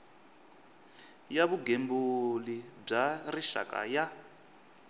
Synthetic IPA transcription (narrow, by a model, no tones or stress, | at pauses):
jaβuɡembulib͡ʐariʃa̰kʼa̰ja